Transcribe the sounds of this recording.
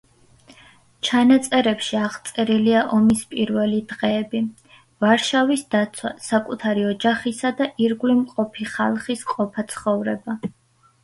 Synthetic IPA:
t͡ʃʰanat̪sʼɛɾɛpʃiaʁt̪sʼɛɾiliaʔɔmispʼiɾvɛlid̪ʁɛːbi | vaɾʃavisd̪at̪sʰwa̰sakʼut̪ʰaɾiɔd͡ʒaχisad̪aʔiɾɡlimqʼɔpʰiχa̰lˠχisqʼɔpʰat̪sʰχɔvɾɛba

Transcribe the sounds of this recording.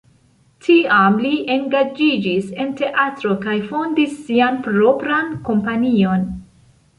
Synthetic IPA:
tʰiamliʔe̞ŋɡad͡ʒid͡ʒise̞nte̞ʔatɾo̞kajfo̞ndisːianpɾo̞pɾanko̞mpanio̞n

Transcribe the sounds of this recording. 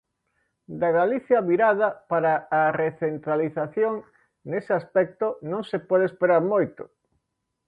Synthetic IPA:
d̪aɣaliθjɐβiɾaðɐpaɾaːreθent̪ɾaliθaθjoŋ | nesɪaspɛk̚t̪onõŋsepɔð̞espeɾaɾmojt̪ʊ̰

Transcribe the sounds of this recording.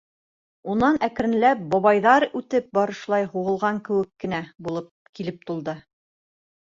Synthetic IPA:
unɑnæk̆ɾɘ̆nlæp̚bɑβɑjðɑɾʉt̪ɘp̚bɑɾɤ̆ʃlˠɑjhuʁɤ̆lˠʁɑŋkɘ̆wɘkːɘ̆næbulˠɤp̚kilɘp̚t̪ulˠd̪ɤ

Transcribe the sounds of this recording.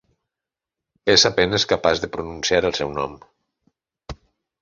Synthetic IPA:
ezapenəskəpazðəpɾununsiaɾəlˠsɛwnɔm

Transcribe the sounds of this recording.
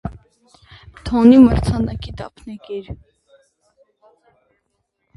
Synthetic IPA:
t̪ʰɔniməɾt͡sʰɑnɑkid̪ɑ̰pʰnɛkɛɾ

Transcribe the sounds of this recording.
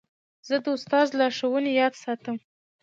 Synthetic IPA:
z̥əd̪əʊst̪ɑzlaaʂəwənejɑd̪sɑt̪əm

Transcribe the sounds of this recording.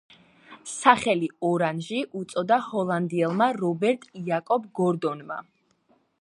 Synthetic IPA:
saχɛliɔɾanʒiʔut̪sʼɔd̪ahɔlˠand̪iɛlˠmaɾɔbɛɾt̪ʼiakʼɔb̚ɡɔɾd̪ɔnma̰

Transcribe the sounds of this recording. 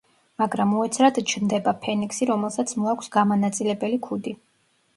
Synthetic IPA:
maɡɾamuɛt̪sʰɾad̪t͡ʃʰnd̪ɛbapʰɛniksiɾɔmɛlˠsat̪sʰmɔakʷʰsɡamanat̪sʼilɛbɛlikʰud̪i

